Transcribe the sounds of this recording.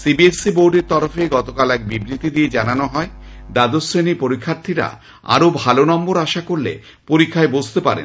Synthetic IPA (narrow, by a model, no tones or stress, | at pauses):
sibiesiboɾɖeɾt̪ɔɾofeɡɔt̪okalɛk̚bibɾit̪id̪ied͡ʑananoɦɔed̪ad̪osːenipoɾikʰːaɾt̪ʰiɾa̰ | a̰ɾobʱalonɔmboɾaʃakoɾlḛ | poɾikʰːaebod͡ʑʱt̪epa̰ɾḛn